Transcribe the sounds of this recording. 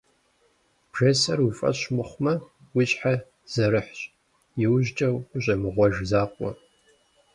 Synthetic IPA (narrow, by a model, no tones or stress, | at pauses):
pʒ̥esɐrufʼɐ̰ɕmɨχʷmɐ | wɪɕʼħa | z̥ɐɾɨħɕʼ | jɪwʑt͡ʃʼɐwʊɕʼɐmɨʁʷɔʒzaːqʷʼɔ̰